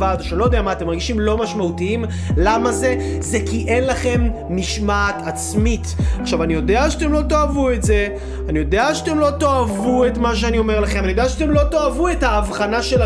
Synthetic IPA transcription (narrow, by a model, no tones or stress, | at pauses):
ad̪oʃanlojd̪eamaːt̪emaʁɡiʃimlo̞maʃmautiim | lamaze̞zekiʔenlaχe̞mː | iʃmatat͡smitaχʃavanijo̞d̪eaʃat̪e̞mlo̞t̪o̞avuetze̞ | anijo̞d̪eaʃatemlo̞to̞avuetmaʃeanio̞me̞ʁlaχemanijodeaʃatemlo̞to̞avuethaːvχanaʃela